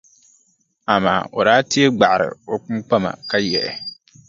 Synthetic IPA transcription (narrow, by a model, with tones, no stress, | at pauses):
a˨ma̰ː˨ʔo˨ɾaː˦tɪ˦e˦ɡ͡ba˨ʔa˨ɾɪ̰˨o˨k͡pu˦mk͡pa˦ma̰˨ka˦jɛ˨ʔɛ̰˨